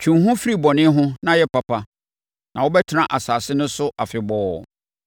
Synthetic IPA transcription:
t͡ɕʰũ˨ɦʊ̃˦fi˦ɾi˦˨bɔ˨nɪ̃˦ɦʊ̃˦nã˦jɛ˦pʰa˨pʰa˦ | nã˨wʊ˦bɛ˦tʰɪ˦nã˨ʔa˨saː˨sɪ˦nʊ̃˦sʊ˦ʔa˨fɪ˨bɔː˦˨

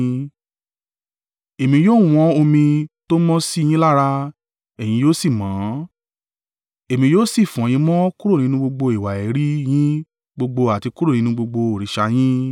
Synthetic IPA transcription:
e˨mĩ˧joː˦w̃ɔ̃˦o˧mĩ˧to˦mɔ̃˦si˦˧j̃ĩ˦la˦ɾa˧ | ɛ˨j̃ĩ˧˦joː˦si˦˨mãː˨˦ | e˨mĩ˧joː˦si˦˨fj̃ĩ˧˦mɔ̃˦ku˦ɾo˦˨nĩ˧˦nũ˧ɡ͡bo˧ɡ͡bo˧i˨wa˨e˨˦ɾi˦j̃ĩ˦ | ɡ͡bo˧ɡ͡bo˧a˨ti˧ku˦ɾo˦˨nĩ˨˦nũ˧ɡ͡bo˧ɡ͡bo˧o˨ɾi˨˦ʃa˧j̃ĩ˦

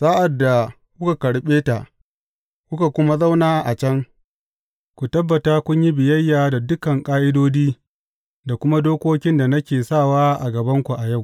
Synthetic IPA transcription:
saː˦ʔa˨dːa˨ | kʷʊ˦ka˨kɐ˨ɽɓeː˦ta̰˨ʔ | kʷʊ˦ka˨kʷʊ˦ma˦za˦wnaː˦ʔa˨t͡ʃɐ˦ŋ | kʷu˨tɐ˦bːɐ˨taː˦kʷʊ˦ɲji˦bɪ˨jɐ˦jːaː˨da˨dʊ˦kɐ˨ŋkʼaː˦ʔɪ˦doː˦diː˦ | da˨kʷʊ˦ma˦doː˦kʷoː˦kʲɪ˦nda˨nɐ˦kʲeː˨saː˦˨waː˦ʔa˨ɡɐ˨bɐ˦ŋkʷu˨ʔa˨ja˦˨w

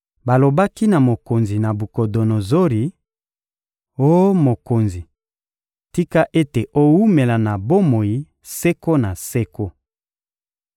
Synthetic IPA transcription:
ba˨lo˨ba˦ki˦na˨mo˨ko˨nzi˨na˨bu˨ko˨do˨no˨zo˦ʁi˨ | o˦mo˨ko˨nzi˨ | ti˦ka˦ʔe˦te˨ʔo˦wu˦me˨la˨na˨bo˦mo˨ji˦ | sɛ˦ko˦na˨sɛ˦ko˦

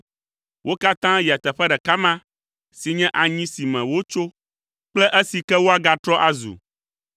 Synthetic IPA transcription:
wʔo˦ka˦t̪ã˦ji˨a˨t̪ɛ˨ɸɛ˦ɖɛ˨ka˦mã˦ | si˨ɲɛ̃˦ʔa˨ɲĩ˦si˨mɛ̃˨wo˦t͡ʃo˦ | k͡plɛ˦ʔɛ˦si˨kɛ˦wo˦a˨ɡa˨t̪ɾɔ˦ʔa˨zṵ˨

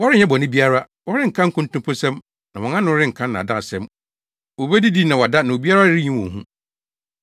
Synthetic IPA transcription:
wɔ˦ɾɪ˦ɲɛ̃˦bɔ˨nɪ̃˦bi˦a˦ɾa˦ | wɔ˦ɾɪ˦ŋ̩˨kʰã˦ŋ̩˦kʰʊ̃˦ntʊ̃˦mpʰo˦sɛ̃˦m | nã̰˨wɔ̃˨nã˦nʊ̃˦ɾɪ˦ŋ̩˨kʰã˦nːã˨dã˦˨sɛ̃˦m | o˨be˦di˦di˦nã˨wɔ˨da˦nã˨o˨bi˦a˦ɾa˦ɾɪ˦ɲĩ˦wɔ̰̃˨n˨ɦṵ̃˦

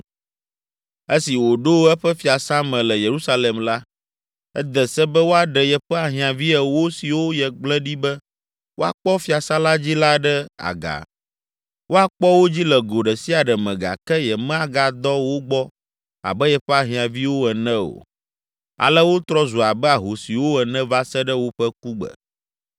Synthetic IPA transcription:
e˦si˨wo˨ɖo˦ɛ˦ɸɛ˦fi˨a˨sã˦mɛ̃˨lɛ˨je˨ɾu˦sa˦le˨mla˦ | ɛ̰˦d̪ɛ˨sɛ˦bɛ˦wo˦a˨ɖɛ˨jɛ˨ɸɛ˦a˨ɦĩ˨ã˨vi˦ɛ˨wo˦si˨wo˦jɛ˨ɡ͡blɛ̃˦ɖi˦bɛ˦ | wʔo˦a̰˨k͡pɔ˦fi˦a˨sã˦la˦d͡ʑi˦la˦ɖɛ˦a̰˨ɡa̰˨ | wʔo˦a˨k͡pɔ˦wo˦d͡ʑi˦lɛ˨ɡo˨ɖɛ˨si˦a˨ɖɛ˨mɛ̃˨ɡa̰˨kɛ˦jɛ˨mɛ̃˦a˨ɡa˨d̪ɔ˦wo˦ɡ͡bɔ˦ | a̰˨bɛ˦jɛ˨ɸɛ˦a˨ɦĩ˨ã˨vi˦wo˦ɛ˨nɛ̃˦o̰˨ | a̰˨lɛ˦wo˦t̪ɾɔ˦zu˨a˨bɛ˦a˨ɦo˨si˨wo˦ɛ˨nɛ̃˦va˦sɛ˦ɖɛ˦wo˦ɸɛ˦k̚u˦ɡ͡bɛ̰˨

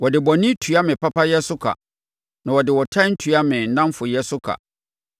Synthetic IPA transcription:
wɔ˨dɪ˨bɔ˨nɪ̃˦tʰu˨˦a˦mɪ̃˨pa˦pa˦jɛ˦sʊ˦kʰa̰˨ | nã˨wɔ˨dɪ˨wɔ˨tʰã˦n̩˦tʰu˨a˦mɪ̃˨n̩˨nã˦m˦fʊ˨jɛ˦sʊ˦kʰa̰˨

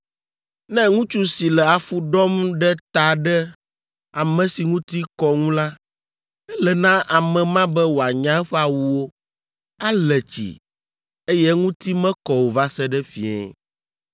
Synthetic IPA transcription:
nɛ̃˦ŋũ˦t͡ʃu˦si˨lɛ˨a˨fu˦ɖɔ˦mɖɛ˦t̪a˨ɖɛ˦ | a˨mɛ̃˨si˨ŋũ˦t̪i˦kɔ˦ŋũ˦la˦ | ɛ˦lɛ˨nã˦ʔa˨mɛ̃˨mã˦bɛ˦wo˨a˨ɲã˦ɛ˦ɸɛ˦a˨wu˦wo˦ | a˦lɛ˨t͡ɕḭ˨ | e˦jɛ˦ŋũ˦t̪i˦mɛ̃˦kɔ˨wo˨va˦sɛ˦ɖɛ˦fḭ˨ɛ̰̃˨

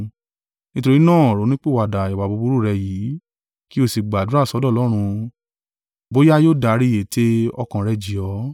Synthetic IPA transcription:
nĩ˧to˧ɾi˦nãː˦˨ɔ˨ɾo˨˦nĩ˦k͡pe˦˨a˨da˨i˨wa˨bo˧˦bu˦ɾu˦˨ɾɛ˧jiː˨˦ | ki˦o˧˨si˨ɡ͡ba˨du˨˦ɾa˦˨sɔ˧˦dɔ˦˨lɔ˦ɾ̃ũ˧ | bo˦ja˦joː˦˨da˨˦ɾi˦˨je˨te˦ɔ˧kã˨ɾɛ˧d͡ʒi˨ɔ˨˦

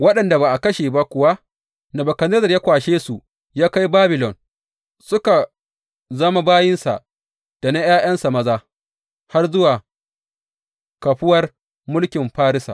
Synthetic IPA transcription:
wɐ˦ɗɐ˨nda˨ba˨ʔa˨kɐ˦ʃeː˨ba˦kʷʊ˨wa˦ | na˨bɐ˨kɐ˨nɐ˦zɐ˨rjaː˦kʷaː˨ʃeː˦su˨ | jaː˦ka˦jbaː˦bɪ˨lɔ˨n | sʊ˦ka˨ | zɐ˦ma˦baː˦jɪ˦nsa̰˨ | d̥a˨na˦jaː˦j̰ɐ˦nsa˨mɐ˦zaː˦ | ha˦rzʊ˦waː˨ | kɐ˨ɸɪ˦wɐ˦r | mʊ˦lkʲɪ˨mɸaː˦ɾɪ˦sa̰˨

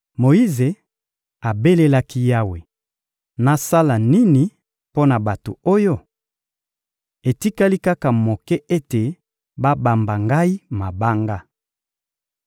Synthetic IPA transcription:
mo˨i˦ze˨ | a˨be˦le˦la˦ki˦ja˦we˨ | na˨sa˦la˨ni˦ni˨ | po˦na˨ba˨to̰˨o˦jo˦ | e˨ti˦ka˦li˦ka˦ka˨mo˨kɛ˦e˦te˨ | ba˦ba˨mba˨ŋɡa˦i˦ma˨ba˦ŋɡa˦

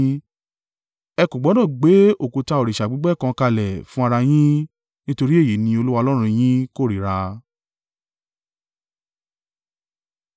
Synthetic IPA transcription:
ɛ˧ku˨ɡ͡bɔ˨˦nã˦˨ɡ͡be˨˦o˦˨ku˨ta˧o˨ɾi˨ʃa˨ɡ͡bi˨˦ɡ͡bɛ˦˨kã˧ka˧lɛ˨fũ˦a˧ɾa˧j̃ĩ˦ | nĩ˦to˧ɾi˦e˦˨ji˨˦nĩ˧o˧lu˦wa˧lɔ˦ɾ̃ũ˧j̃ĩ˦ko˦˨ɾi˨ɾa˧

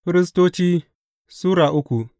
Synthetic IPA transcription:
ɸɪ˦ɾɪ˦s̬toː˦t͡ʃiː˦ | suː˦ɽaː˨ʔʊ˦kʷu˨

